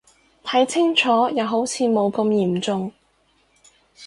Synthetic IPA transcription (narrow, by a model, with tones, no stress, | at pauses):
t̪ʰɐ˨˥jt͡sʰɪ˥ŋt͡ʃʰɔː˨˥jɐ˨˧wɦo˨˥wt͡sʰiː˨˧mo˨˧wkɐ˧mjiː˨˩mt͡sʊ˧ŋ